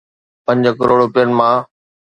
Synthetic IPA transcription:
pə̃ɲd͡ʑkəɾoːɽɾʊpjənɪ̆mãː

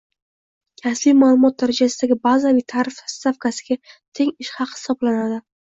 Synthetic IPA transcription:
kʲʰaslijmalˠʊmɒt̪̚d̪aɾad͡ʒasɪd̪aɡʲɪbazalɪt̪ʰaɾɪfhɪ̥st̪afkʰasɪɡʲat̪ʰe̞ŋɪʃhɑqhɪ̥sɒblanad̪ɪ

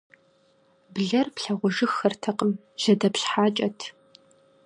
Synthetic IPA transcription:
bɮɐrpɬɐʁʷɔʒɨxːɐrtʰɐqʼəm | ʑ̥ɐdɐpɕħaːt͡ʃʼɐtʰ

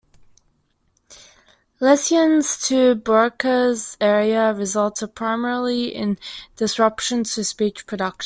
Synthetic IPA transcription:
lɛsiə̃nz̥tʰəbɜ˞kʰəzɛɹiəɹɪzʌlˠtəd̚pʰɹ̥aɪmɛɹl̩ˠiɪ̰̃nd̥ɨsɹʌpʃə̃ntʰɨspit͡ʃpʰɹ̥ədʌkʃ

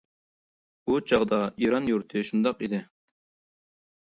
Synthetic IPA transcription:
ut͡ʃʰɑʁd̪ɑiɾɑnjuɾt̪ʰɨʃund̪ɑqid̪ɪ

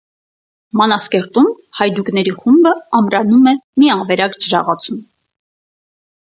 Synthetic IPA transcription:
mɑnɑskɛɾt̪um | hɑjd̪uɡnɛɾiχumbəɑmɾɑnumɛmiɑvɛɾɑkd͡ʒəɾɑ̰ʁɑt͡sʰum

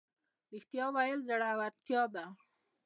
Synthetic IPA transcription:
ɾixt̪jɑwajəlzaɽawaɾt̪jɑd̪a

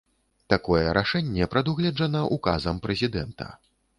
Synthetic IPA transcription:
t̪akɔjɛɾʔaʂɛnʲːɛpɾɐd̪uɣlʲɛd͡ʐɐnɐʔuka̰zɐmpɾɛzʲid̪ɛnt̪ɐ̰

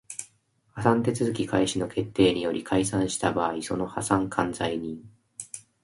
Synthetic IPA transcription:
hasãnt̪e̞t͡sɨzɨkʲikʰaiɕino̞kʰe̞t̪ːe̞ːɲ̟ijo̞ɾʲikʰaisãɰ̃ɕi̥t̪abaːiso̞no̞hasãŋkʰãnd͡zaiɲ̟ĩŋ

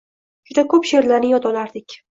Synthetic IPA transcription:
d͡ʒʊd̪akʰɵpʃeɾlaɾnɪjɒt̪ɒlaɾd̪ɪkʲ

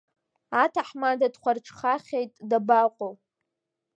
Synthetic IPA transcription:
atʰaħmadadχʷarʈ͡ʂʰχaχʲejtʼdabaqʷʼow

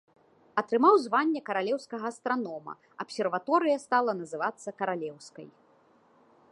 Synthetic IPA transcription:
ɐt̪ɾɨmawzvanʲːɛkɐɾalʲɛwskɐɣɐːst̪ɾanɔmɐ̰ | ɐpsʲɛrvat̪ɔɾɨjɐst̪alˠɐnɐzɨvat̪sːɐkɐɾalʲɛwskɐ̰j

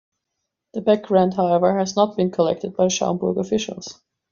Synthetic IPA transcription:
ðəbæk̚ɡ̥ɹãʊndɦaʊɛvə˞hæznət̚b̥ɨ̃nkʰəlɛ̰k̚tɨd̚baɪʃɑ̰̃mbʊɹɡəfɪʃə̰l̩ˠz̥

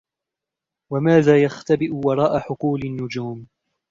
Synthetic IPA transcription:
wamaːðaːjaxt̪abɪʔʊwɑɾˤɑːʔaħʊquːlanːʊd͡ʒuːm

